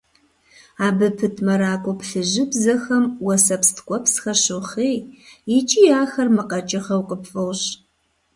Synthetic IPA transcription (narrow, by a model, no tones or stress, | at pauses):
aːbɨpʰɨtʰmɐɾaːkʷʼɔpɬɨʑɪbzɐxɐmwɐsɐpstʰkʷʼɔpsxɐɕɨχeːjjɪt͡ʃʼijaːxɐrmɨqɐt͡ʃʼɐχɐwqʼəpfʼɨʁɕ